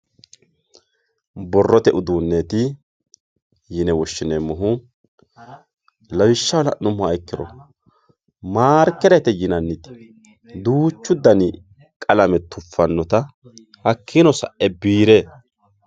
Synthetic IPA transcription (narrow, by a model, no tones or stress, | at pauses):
bɔrːɔt̪ɛʔʊd̪uːnːeːt̪ɪ | jɪnɛwɔʃːɪnɛmːɔɦʊ | lɐwɪʃːɐwlɐ̰ʔnʊmːʊɐjkːɪɾɔ̰ | maːɾkːɛɾɛt̪ɛjɪnɐnːɪt̪ɪ̥ | d̪uːt͡ʃːʊd̪ːɐnɪ | kʼɐlɐmɛt̪ʊfːɐnːɔt̪ɐ | hɐkʰːinɔsɐ̰ʔɛbiːɾe